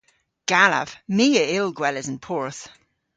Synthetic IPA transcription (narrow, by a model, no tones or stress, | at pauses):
ɡ̥alə̰v̥miːəɪlˠɡwɛlɪzə̃npʰɔɹθ